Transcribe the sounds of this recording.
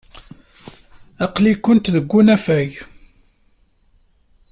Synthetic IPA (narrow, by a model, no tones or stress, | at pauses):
ɑqlikːʊnt̪ðəɡʷːunæfæʝ